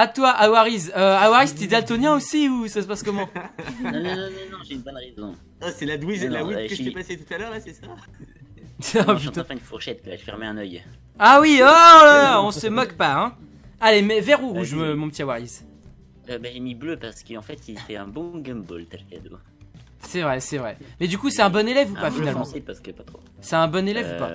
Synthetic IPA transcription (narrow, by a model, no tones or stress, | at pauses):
at̪waʔawaʁizøawaʁizt̪id̪alt̪ɔnjɛ̃osiusasəpaskɔmɑ̃nnɔnɔ̃nɔ̃nɔ̃ʒeynbɔnʁezɔ̰̃ | ɔsɛlad̪wizlawikəʒt̪epaset̪ut̪alœʁlasɛsa | pỹt̪oɑ̃fɛ̃ynfuʁʃɛt̪̚kalfɛʁmeɛ̃nœj | awiɔlalaɔ̃səmɔkpaɛ̃ | alemɛvɛʁuʁuʒømɔ̃pət̪iawaʁiz | øbaʒemibløpaʁsə̥kəɑ̃fɛt̪ilfɛɛ̃bɔ̃ɡɔ̃mbo̰lt̪ɛlkʲad̪o̰ | sɛvʁɛsɛvʁɛmɛd̪ykusɛt̪ɛ̃bɔnelɛvupafinalmɑ̃sɛpaskəpat̪χo | sɛt̪ɛ̃bɔnelɛvupa̰